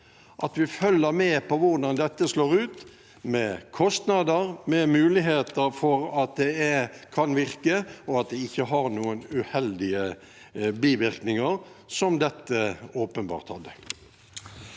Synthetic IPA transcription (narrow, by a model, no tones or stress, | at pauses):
ʔɑt̪ʋɪfœlːəɾmɛpʰɔʋʊʁd̪ɑnd̪ɛt̪ːəsloːʁʉːt̪ | mɛkʰɔst̪nɑd̪əɾmɛmʉːlɪɦeːt̪əɾfɔɾɑt̪̚d̪ɛɛkʰɑnʋɪɾkəɔɑt̪̚d̪ɛɪçːəɦɑɾnuːənʉhɛld̪ɪə | biːʋɪʁknɪŋəɾsɔmd̪ɛt̪ːəoːpənbɑ̰ːʁt̪hɑd̪ːə